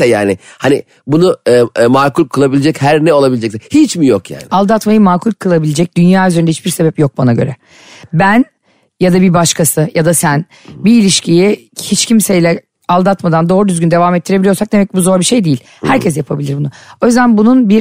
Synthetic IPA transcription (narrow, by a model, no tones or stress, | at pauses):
ɛja̰ːnɪhanɪ̰ | bunʊːmaːkʰulʲkʰɯlˠabilʲed͡ʒɛchæɾnɛo̞lˠabilʲed͡ʒɛksɛhit͡ʃmijokja̰ːnɪalˠd̪at̪majɯmaːkʰulʲkʰɯlˠabilʲed͡ʒɛc̚d̪̥ynjaːyzeɾnd̪ɛhit͡ʃbiɾse̞bɛpjo̞k̚banaɟø̞̰ɾɛ | bæn | jad̪abibaʃkʰasɯjad̪asæn | biːlʲiʃciji | hit͡ʃcʰimsejlʲɛ | alˠd̪at̪mad̪and̪o̞ːɾud̪yzɟynd̪e̞vaːmɛt̪ʰːiɾeilʲijo̞sak̚d̪e̞mɛc̚ːbuzo̞ɾbiʃe̞jd̪ijilʲ | hæɾcʰɛs̬japʰabilʲiɾbunʊo̞jyzd̪ænbununbiɾ